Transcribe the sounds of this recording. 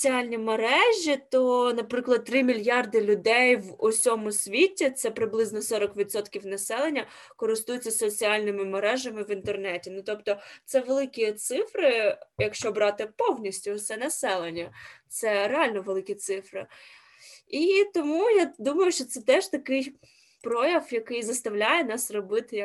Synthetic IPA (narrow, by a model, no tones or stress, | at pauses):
t͡sʲiɑlʲnʲimeɾɛʒʲit̪ɔnɐpɾɪklˠɐd̪̚t̪ɾɪmʲilʲjɑrd̪ɪlʲʊd̪ɛjʋɔsʲɔmʊsʲʋʲitʲit̪sɛpɾɪblˠɪznɔsɔɾɔkʋʲid̪sɔt̪kʲiwnɐsɛlˠenʲːɐ | kɔɾɪst̪ujʊt͡sʲːɐsɔt͡sʲiɑlʲnɪmɪmeɾɛʒɐmɪʋint̪ernɛtʲinʊt̪ɔpt̪ɔt̪sɛʋelˠɪkʲit̪sɪfɾɪjɐkʃt͡ʃɔbɾɑt̪ɪpɔwnʲisʲtʲʊt̪sɛnɐsɛlˠenʲːɐt̪sɛɾeɑlʲnɔʋelˠɪkʲit̪sɪfɾɪ̰ | it̪ɔmujad̪umɐjʊʃt͡ʃɔt̪sɛt̪ɛʒt̪ɐkɪj | pɾɔjɐwjɐkɪjzɐst̪ɐwlʲajɛnɑsrɔbɪt̪ɪjɐ